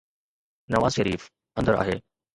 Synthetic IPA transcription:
nɐʋaːzʃɐɾiːf | ɐ̃nd̪əɾa̰ːɦeː

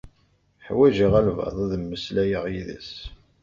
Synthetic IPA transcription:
ħwæʒəʁælvɑ̰ðˤæðəmːəslæjəʁjiðæ̰s

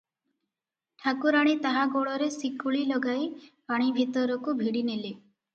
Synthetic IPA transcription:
ʈʰakuɾaɽ̃it̪aɦaɡoɭɔɾesikuɭilɔɡajpaɽ̃ibʱit̪ɔɾɔkubʱiɽinili

